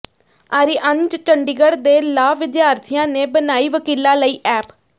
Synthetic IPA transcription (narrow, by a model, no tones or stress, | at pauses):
aːɾiːʔənt͡ʃt͡ʃəɳɖiɡəɽd̪eːlaːʋɪd͡ʒjaːɾt̪ʰijãːneːbənaːiːʋəkiːlãːləiːʔɛːp